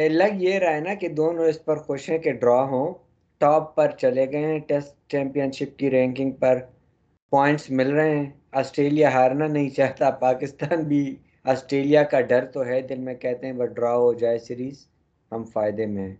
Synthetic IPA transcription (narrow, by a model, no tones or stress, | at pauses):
ɛlɐɡjeɾɐːenaked̪oːnõɪspɐɾxʊʃɦɛ̃keɖɾaːɦõ | ʈɔːpːɐɾt͡ʃɐleɡɐeɦɛ̃ʈɛsʈt͡ʃɛ̃ːmpijənʃɪp̚kiɾɛ̃ːŋkɪ̃ŋɡ̚pɐɾ | pɔːɪ̃ɳʈsmɪlɾɐɦeɦɛ̃ | ɔːsʈɾeːlijaɦaːɾnanɐɦĩt͡ʃaːɦt̪apaːkɪst̪aːnbʱi | ɔːsʈɾeːlijakaɖɐɾt̪oɦɛd̪ɪlmẽkɛɦt̪eɦɛ̃ʋɐɖɾaːɦod͡ʒaːesɪɾiːz | ɦɐmfaːɪd̪emẽ